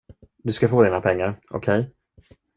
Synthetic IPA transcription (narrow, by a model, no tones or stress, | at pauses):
d̪ɵskafoːd̪iːnapʰɛŋːaɾɔ̰kʰɛj